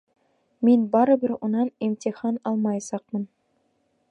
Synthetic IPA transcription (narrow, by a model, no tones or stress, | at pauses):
mʲinbɑɾɤ̆bɘ̆ɾunɑnimtʲiχɑnɑlˠmɑjsɑqmɤ̆n